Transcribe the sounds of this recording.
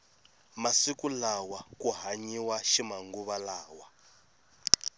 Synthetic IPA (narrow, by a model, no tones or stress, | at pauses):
masikulawakuɦaɲiwaʃimaŋɡuβalaːwa